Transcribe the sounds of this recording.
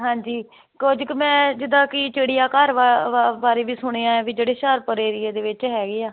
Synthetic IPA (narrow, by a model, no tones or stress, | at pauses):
ɦãːɲd͡ʒiː | koːd͡ʒkmɛ̃ːd͡ʒɪd̪ãːkɪt͡ʃeːɽijaːkaɾbaːɾeːʋiːsʊɽ̃eːãːɛ̃ːbiːd͡ʒeːɽeːʃaːɾpəɾeːɾɪːeːd̪eːʋɪt͡ʃɦɛːɡeːaː